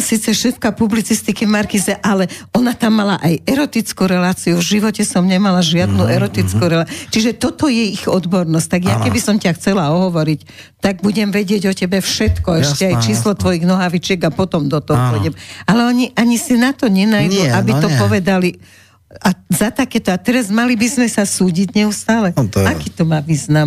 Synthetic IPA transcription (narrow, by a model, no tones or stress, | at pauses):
siːt͡sɛʃɛfkapublit͡sist̪ikivmaɾkizɛʔalɛɔnat̪amːalaʔajɛɾɔt̪it͡skuɾɛlaːt͡siuvʒiʋɔcɛsɔmɲɛmalaʒɪad̪̚nuʔɛɾɔt̪it͡skuɾɛlat͡ʃiʒɛt̪ɔt̪ɔjɛiɣɔd̪bɔɾnɔsc̚ʲt̪aɡjakɛbisɔmcaxt͡sɛlaɔɦɔʋɔɾic | t̪aɡ̚buɟɛmʋɛɟɪɛɟɔcɛbɛfʃɛt̪kɔɛʃcɛajt͡ʃiːslɔt̪ʋɔjiɣnɔɦaʋit͡ʃɪɛɡapɔt̪ɔmd̪ɔt̪ɔɦɔpɔjɟɛmalɛɔɲiʔaɲisinat̪ɔɲɛnajd̪uabiɔpɔʋɛd̪ali | azat̪akɛːt̪ɔat̪ɛɾazmalibizmɛsasuːɟiɟɲɛust̪aːlɛakiːt̪ɔmaːʋiːznam